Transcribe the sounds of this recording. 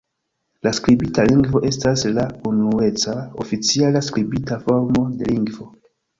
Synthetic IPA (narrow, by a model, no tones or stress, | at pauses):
laskɾibitaliŋɡvo̞ʔe̞staslaunue̞t͡sao̰fit͡sialaskɾibitafo̞ɾmo̞de̞liŋɡvo̞